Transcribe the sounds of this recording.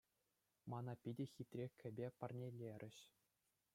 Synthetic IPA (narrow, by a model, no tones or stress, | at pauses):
mɑnɑpʲidʲĕxʲit̪ʲrʲekʲʰːɘ̆bʲepɑrnʲelʲeɾʲʔɘ̆ɕ